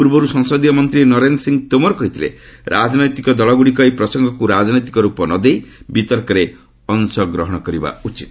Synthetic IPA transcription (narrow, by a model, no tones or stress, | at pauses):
puɾbɔɾusɔŋsɔd̪ijɔmɔnt̪ɾinɔɾend̪ɔsiŋt̪omɔɾkɔɦit̪iɾḛɾʔad͡ʒnɔjt̪ikɔd̪ɔɭɔɡuɽikɔipɾɔsɔŋɡʱɔkuɾad͡ʒnɔjt̪ikɔɾupɔnɔd̪ejbit̪ɔɾkɔɾe | ɔnsɔɡɾɔɦɔɽ̃ɔkɔɾiba̰ut͡ʃit̪